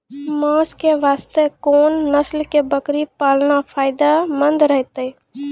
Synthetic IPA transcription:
mãːskeʋaːst̪ekoːnːəslkebəkɾipaːlnapʰaːɪd̪amənd̪ɾəɦt̪e

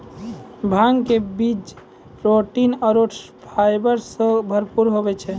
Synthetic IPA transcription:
bʱaŋɡkebid͡ʒ | ɾoʈinɔɾoʈʰ | pʰajbəɾsə̃bʱəɾpuɾɦobɛt͡ʃʰɛ

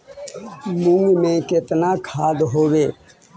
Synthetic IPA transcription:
mʊŋɡmẽːkɪt̪naːkʰaːd̪ɦoːʋeː

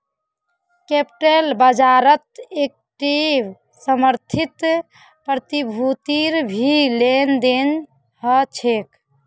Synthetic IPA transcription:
kepʈelbəd͡ʒaɾət̪ek̚ʈib | səməɾt̪ʰit̪ | pɾət̪ibʱut̪iɾbʱilend̪en | hət͡ʃʰek

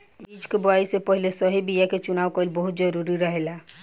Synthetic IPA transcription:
biːd͡ʒkebʊaisepəɦilesəɦibijaket͡ʃʊnaːʋkəlbəɦʊt̪d͡ʒəɾuɾiɾəɦela

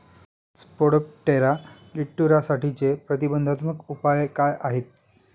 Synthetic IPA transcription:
spoɽəp̚ʈeɾa | liʈːuɾasaʈit͡sepɾət̪ibənd̪ʱat̪məkupajekajʔaɦet̪̚

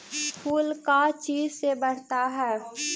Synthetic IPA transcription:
skʰuːlkat͡ʃiːzsebəɽ̤t̪aɦɛː

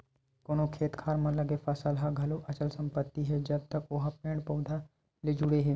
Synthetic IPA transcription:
koːnõkʰeːt̪kʰaːɾmɐ̃lɐɡefʰɐsəlɦaɡʱɐloʔɐt͡ʃəlsɐ̃mpət̪ːiɦɛd͡ʒɐb̚t̪ɐkoɦapẽːɽpoːd̪ʱa | led͡ʒʊɽeɦẽː

